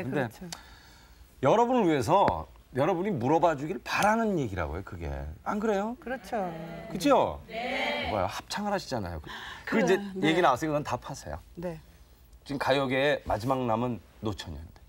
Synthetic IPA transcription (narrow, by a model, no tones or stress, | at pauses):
kɯnde̞ | jʌɾʌbunɯɭɥie̞s̬ʰʌ | jʌɾʌbuɲimuɾʌbad͡ʑuɡiɾɯɭpaɾanɯnje̞ɡiɾa̰ɡo̰jokɯɡe̞̰anɡɯɾe̞jokɯt͡ɕʰokɯd͡ʑijo | ba̰jo̰hap̚t͡ɕʰaŋɯɾɦaɕʰid͡ʑana̰jo̰kkɯid͡ʑeje̞ɡinaas͈ʰekonʌntapʰasʰḛjo̰ne | t͡ɕimkajʌɡeːma̰d͡ʑimaŋnamɯnː | ot͡ɕʰʌɲʌind̥e